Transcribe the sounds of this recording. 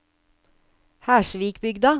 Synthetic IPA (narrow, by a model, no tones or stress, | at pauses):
hæːʃʋiːkbʏɡd̪ɑ